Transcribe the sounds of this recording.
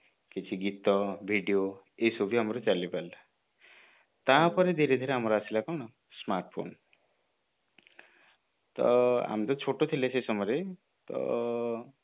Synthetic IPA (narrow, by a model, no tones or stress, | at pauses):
ket͡sʰiɡit̪ːʌbʱiɖijo | esobiɦamɾot͡salipala | t̪ãpʌɾed̪ʱeɾed̪ʱeɾeɦamɾoasilakʌwnʌ | smarʈ̚pʰo̰n | t̪ʌ̰ɦa̰mt̪ot͡sʰoʈot̪ʰilesʰesʌmʌɾe | t̪ʌ̰